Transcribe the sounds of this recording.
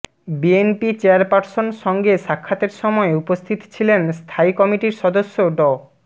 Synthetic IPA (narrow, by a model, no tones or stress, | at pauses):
bienpit͡ɕeaɾpaɾsonʃɔŋɡeʃakʰːat̪eɾʃɔmɔeupost̪ʰit̪o̥t͡ɕʰilenst̪ʰaikɔmiʈiɾʃɔd̪oʃːoɖɔ